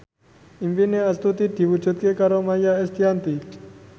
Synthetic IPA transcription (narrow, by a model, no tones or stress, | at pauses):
imbineɐst̪ut̪iʈibut͡ʃʰut̪̚kekaɾomajaest̪ijant̪i